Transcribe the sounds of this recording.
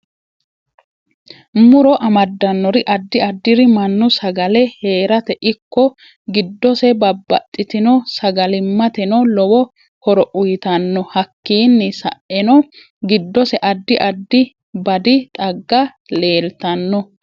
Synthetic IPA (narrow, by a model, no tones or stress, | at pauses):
mʊɾɔʔɐmɐd̪ːɐnːɔɾɪʔɐd̪ːɪɐd̪ːɪɾɪmɐnːʊsɐɡɐlɛhe̞ːɾɐt̪ɛʔɪkːɔ | ɡɪd̪ːɔsɛbɐbːɐt̪ʼːɪt̪ɪnɔsɐɡɐlɪmːɐt̪ɛnɔlɔwɔ | hɔɾɔʔʊjɪt̪ɐnːɔhɐkːiːnːɪsɐ̰ʔʔɛnɔ | ɡɪd̪ːɔsɛʔɐd̪ːɪʔɐd̪ːɪ | bɐd̪ɪt̪ʼɐɡːɐ | le̞ːlt̪ɐnːɔ